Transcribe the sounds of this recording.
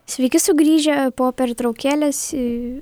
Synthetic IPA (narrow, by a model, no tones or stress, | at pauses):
sʲʋʲɛɪkʲɪsʊɡɾʲiːʒʲɛpoːpʲɛɾt̪ɾɐʊkʲæːlʲɛsɪ